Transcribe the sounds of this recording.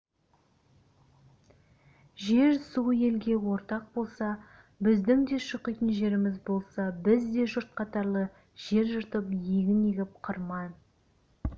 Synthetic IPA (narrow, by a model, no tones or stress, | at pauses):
ʒe̞ɾsuje̞lɡʲe̞wo̞ɾt̪ɑq̚bo̞lˠsɑ | bɪzd̪ɪŋd̪e̞ʃəqijt̪ənʒe̞ɾɪmɪzbo̞lˠsɑbɪzd̪e̞ʒʊɾt̪̚qʰɑt̪ɑɾlˠə | ʒ̥e̞ɾʒʊɾt̪əpjeɡʲɪneɡʲɪp̚qʰəɾmɑj